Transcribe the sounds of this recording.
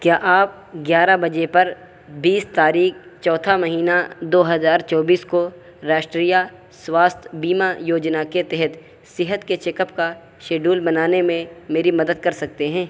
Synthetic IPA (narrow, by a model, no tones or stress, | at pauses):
kjaːʔaːp̚ | ɡjaːɾabɐd͡ʒepɐɾ | biːst̪aːɾiːkt͡ʃɔːt̪ʰamɐɦiːnad̪oːɦɐzaːɾt͡ʃɔːbiːsko | ɾaːʃʈɾiːja | swaːst̪ʰbiːmajoːd͡ʒnaket̪ɛɦɛt̪ | sɪɦət̪ket͡ʃeːkəpka | ʃeːɖuːlbɐnaːnemẽmeːɾimɐd̪əd̪̚kɐɾsɐk̚t̪eɦɛ̃ː